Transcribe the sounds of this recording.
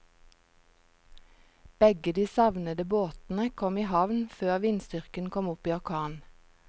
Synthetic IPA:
b̥ɛɡəd̪iːsɑʋnəd̪əboːt̪n̩əkʰɔmiːhɑʋnføːʁʋiːnst̪ʏʁkənkʰɔmʊpiːɔʁkʰɑːn

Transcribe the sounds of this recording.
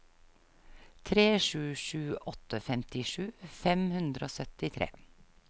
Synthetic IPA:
t̪ʰɾeːʃʉːʃʉːɔt̪əfɛmt̪ɪʃʉːfɛmhʉnd̪ɾəoːsœt̪ɪt̪ʰɾḛː

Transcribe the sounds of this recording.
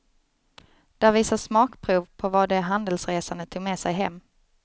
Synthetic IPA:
d̪̥æɾviːsasmɑːkpʰɾuːvpʰɔvad̪ɛɦand̪əlsɾeːsand̪ət̪ʰuːɡmeːsɛjɦɛmː

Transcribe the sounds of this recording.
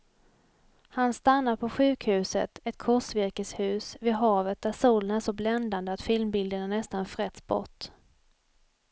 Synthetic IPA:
hanst̪anːapʰɔɧʉ̟ːkhʉ̟ːsə̰t̪ɛt̪̚kʰɔʂvɪɾkəshʉ̟ːsvɪd̪ɦɑːvət̪̚d̪æʂuːlənæːʂɔblɛnd̪and̪əat̪fɪlmbɪld̪əɳanɛst̪anfɾɛt̪sbɔ̰ʈː

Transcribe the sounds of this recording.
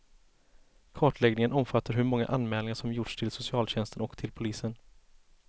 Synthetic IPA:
kʰɑːʈɭɛɡnɪŋənɔmfat̪ʰːaɾɦɵɾmɔŋːa̰ʔanmɛːlɪŋaʂɔmjʊʈʂt̪ʰɪlsʊsɪɑːlɕɛnst̪ənɔkt̪ʰɪlpʰʊliːsən

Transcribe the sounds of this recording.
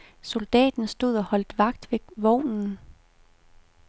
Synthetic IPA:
so̝ld̥ɛ̰ːd̥n̩sd̥o̝ð̞̰ˠɒ̽hɒ̽l̰d̥ʋɑ̈ɡ̥d̥ʋe̝ʋɒʊ̰nn̩

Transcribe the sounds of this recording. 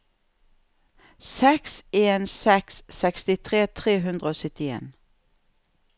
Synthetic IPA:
sɛkseːnsɛksːɛkst̪ɪt̪ʰʁeːt̪ʰʁeːɦʉnd̪ʁəoːsʏt̪ɪḛːn

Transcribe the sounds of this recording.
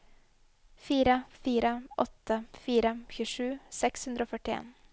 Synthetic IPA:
fiːɾəfiːɾəʔɔt̪ʰːəfiːɾəçʉːʂʉːsɛkshʉnd̪ɾəoːfœʈɪḛːn

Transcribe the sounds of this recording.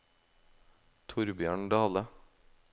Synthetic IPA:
t̪ʰʊɾbjøːɳɖɑːlə

